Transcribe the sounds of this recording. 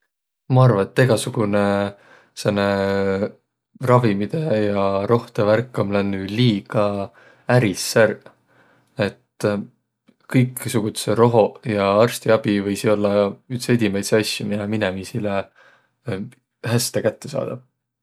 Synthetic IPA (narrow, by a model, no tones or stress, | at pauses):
mɑɑrvɑet̪ːe̞ɡ̥ɑsuɡ̥une | senːe | rɑvimid̪̥e̞jɑɾo̞ht̪eværkːˑomlænːyliːɡ̥ɑ | æɾisːær | e̞t̪ː | kɤjksuɡ̥ut̪seɾo̞ɦo̞jɑɑrst̪iɑb̥ivɤjsio̞lːɑyt̪sed̪ʲimejt̪seɑsʲjumiɑminemisile | hæst̪ekæt̪ːe̞sɑ̰ːd̪̥ɑv